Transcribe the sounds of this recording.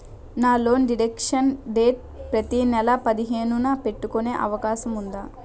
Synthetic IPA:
naːlo̞ːnɖiɽekʂɐnɖeːʈ̚pɾɐt̪inɛlɐpɐd̪iɦe̞ːnunaːpe̞ʈːukone̞ːʔɐʋɐkaːʃɐmund̪aː

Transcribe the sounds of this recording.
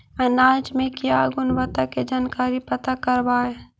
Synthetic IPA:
ɐnaːd͡ʒmẽkiaɡʊnʋət̪aked͡ʒaːnkaːɾipɐt̪akəɾbaːe

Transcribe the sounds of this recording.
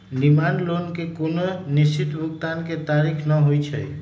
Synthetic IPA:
nimanlonkekononisit̪bʱukt̪anket̪aɾikʰnəɦojt͡ʃʰəj

